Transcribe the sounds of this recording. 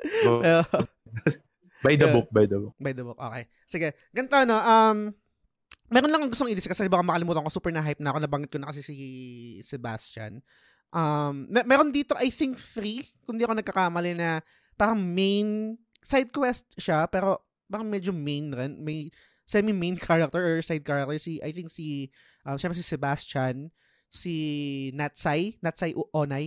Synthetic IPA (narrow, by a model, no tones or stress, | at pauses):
o | bajd̪ɐbʊk̚bɐjd̪ɐbʊk̚bɐjd̪ɐbʊk̚ʔoːkej | sɪɡɛ | ɡɐnt̪aɐno̞ʔɐm | mɛːɾonlɐŋkːɐŋɡʊst̪oŋʔɪd̪ɪskɐsɛd̪ɪbakɐmɐkɐlɪmuːt̪ɐŋkosuːpɛɹnɐɦajp̚nɐʔɐko̞nɐbɐŋɡɪt̪̚konɐkɐsɛsisɛba̰st̪ɐ̰n | ʔɐmːɛmɛːɾond̪iːt̪oʔɐjθɪŋk̚fɾikʊnd̪iʔɐkonɐɡ̚kɐkamɐlɛnɐ | paːɾɐŋmejn | sajd̪̚kwɛst̪̚ʃapɛːɾo̞ | paːɾɐŋmɛd͡ʒomejnɾɛnmɐj | sɛmimejnkʰaɹɐk̚t̪ɛɹɔɹsajd̪̚kaːɹɐk̚t̪ɛɹsiʔa̰jθɪŋksi | ʔɐmʃɛmpɾɛs̬isɛbast͡ʃan | sinat̪̚sajnɐt̪̚sajʔʔoːnɐj